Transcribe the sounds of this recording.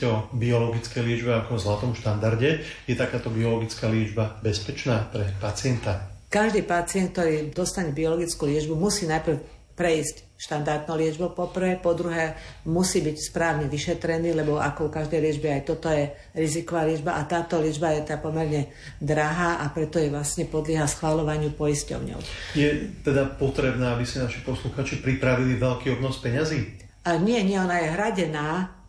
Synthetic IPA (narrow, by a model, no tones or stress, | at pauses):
ɔbiɔlɔɡit͡skɛjlɪɛd͡ʒbɛakɔzlat̪ɔmʃt̪and̪aɾɟɛjɛt̪akaːt̪ɔbiɔlɔɡit͡skaːlɪɛd͡ʒbabɛspɛt͡ʃnaːpɾɛpat͡sɪɛnt̪akaʒd̪iːpat͡sɪɛntk̚t̪ɔɾiːd̪ɔst̪aɲɛbiɔlɔɡit͡skulɪɛd͡ʒbumusiːnajpr̩ | pɾɛiːsc | ʃt̪and̪aɾd̪nɔlɪɛd͡ʒbɔpɔpr̩ʋɛːpɔd̪ɾuɦɛːmusiːbicspɾaːʊɲɛʋiʃɛt̪ɾɛniːlɛbɔʔa̰kɔukaʒd̪ɛjlɪɛd͡ʒbɛajt̪ɔt̪ɔjɛ | ɾizikɔʋaːlɪɛd͡ʒbaʔat̪aːt̪ɔlɪɛd͡ʒbajɛt̪ɛd̪apɔmɛɾɲɛ | d̪ɾaɦaːʔapɾɛt̪ɔjɛʋlasɲɛpɔd̪lɪɛɦasxʋalɔʋaɲɪupɔjiscɔ̰ʊɲɔ̰ʊjɛt̪ɛd̪apɔt̪ɾɛbnɛːabisɛnaʃipɔsluxaːt͡ʃipɾipɾaʋiliʋɛlkiːɔbnɔspɛɲaziː | aɲɪɛɲɪɛɔnajɛɦɾaɟɛnaː